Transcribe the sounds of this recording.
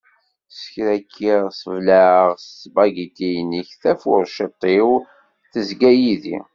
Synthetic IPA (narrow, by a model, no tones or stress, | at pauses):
sə̥çɾækʰːiʁsəvlæəʁst͡sːbɑɡit̪ijniçθæfʊɾʃət̪ˤːiw | θəzɡæjiðḭ